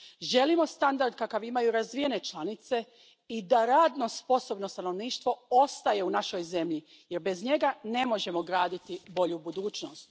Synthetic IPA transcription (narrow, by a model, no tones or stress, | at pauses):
ʒe̞limo̞st̪and̪aɾd̪̚kakaʋimajuɾazʋije̞ne̞t͡ʃlˠanit̪se̞ | id̪aɾaːd̪no̞spo̞so̞bno̞st̪ano̞ʋniːʃt̪ʋo̞ost̪aje̞unaʃo̞jze̞mʎi | je̞ɾbe̞zɲe̞ɡane̞mo̞ʒe̞mo̞ɡɾaːd̪it̪ibo̞ʎubud̪uːt͡ʃno̞st̪